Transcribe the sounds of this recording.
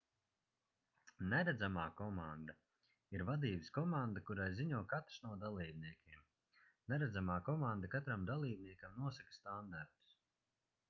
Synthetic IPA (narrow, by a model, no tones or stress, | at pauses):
nɛɾæd̪zamaːkɔmand̪a | iɾvad̪iːbskɔmand̪akuɾajziɲuɔkat̪ɾ̥snuɔd̪alˠiːbniɛkʲʰiɛm | nɛɾad̪zamaːkɔmand̪akat̪ɾamd̪alˠiːb̚niɛkamnuɔsakst̪and̪aɾt̪u̥s